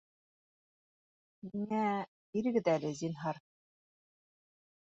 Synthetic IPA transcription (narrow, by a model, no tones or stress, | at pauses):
miŋæ | iɾɘ̆ɡɘ̆ðælɘzinɦɑɾ